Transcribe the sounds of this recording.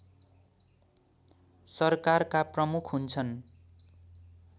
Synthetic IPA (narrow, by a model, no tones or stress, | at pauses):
sʌrkarkaprʌmukʰɦunt͡sʰʌn